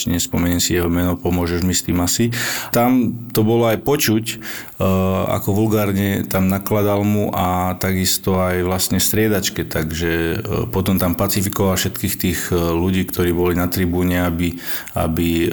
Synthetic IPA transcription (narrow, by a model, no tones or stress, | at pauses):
ɲɛspɔmɛɲɛmsijɛɦɔmɛnɔpɔmʊɔʒɛʒmist̪iːmasit̪amt̪ɔbɔlɔajpɔt͡ʃuc | a̰kɔʋulɡaːɾɲɛt̪amnaklad̪almuʔat̪aɡist̪ɔajʋlast̪ɲɛst̪ɾɪɛd̪at͡ʃkɛt̪aɡʒɛpɔt̪ɔmt̪ampat͡sifikɔʋalfʃɛt̪kiːxt̪iːɣluɟiːkt̪ɔɾiːbɔlinat̪ɾibuːɲɛabi | a̰bi